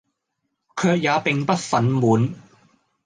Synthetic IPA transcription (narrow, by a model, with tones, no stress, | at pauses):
kʰœː˧k̚jaː˨˧pɪ˨ŋpɐ˥t̚fɐ˨˥nmuː˨˥n